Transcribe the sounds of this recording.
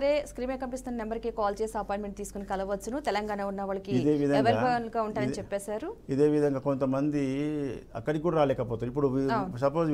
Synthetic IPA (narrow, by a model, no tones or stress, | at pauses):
ɐɾe̞ːskɾiːmeːkɐmpist̪uninembɐɾkekaːlt͡ʃeːseɐpaːjɳʈmeɳʈ̚t̪iːsu̥kunikɐlɐʋɐt͡ʃːunut̪ɛlɐŋɡaːnɐunːɐʋɐːɭɐkiid̪eːʋid̪ʱɐʋɐɾaɐɐnlɐɡaːuɳʈaːjɐnit͡ʃɛpːɛːsaːɾuid̪e̞ːʋid̪ʱɐŋɡaːkont̪ɐmɐnd̪iɐ̰kːɐɽikuːɽɐɾaːlɛːkɐpoːt̪uipːuɽuaːsɐpoː